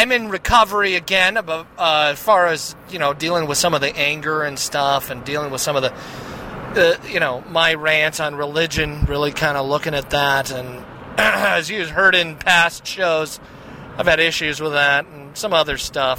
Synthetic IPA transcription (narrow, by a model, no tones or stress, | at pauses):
ãɪ̃mɨ̃nɹɨkʰʌvə˞iɨɡɛ̃nbʌʌɨz̥fɑɹɨzjɨñoʊdilˠɪ̃ŋwəð̥sʌ̃mʌvðiʔæ̃ŋɡə˞ɨ̃nstʌfɨ̃ndilˠɪ̃ŋwəð̥sʌ̃mʌvðɨ | ʌjɨñoʊmaɪɹæ̃ntsn̩ɹɪlɪd͡ʒɨ̃nɹɪlˠikʰãɪ̃ndəlʊkɪ̃ŋɨt̪̚ðæɾɨ̃n | ɨzjɨɨz̥ɦɜ˞ɾɪ̃npʰæstʃoʊz | aɪv̥ɨɾɪʃʉzwəðætn̩sʌ̃mʌðə˞stʌf